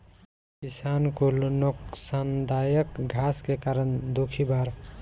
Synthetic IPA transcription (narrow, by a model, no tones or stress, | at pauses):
kisankolnoksand̪ajəkɡʱaskekaɾənd̪okʰibaɾ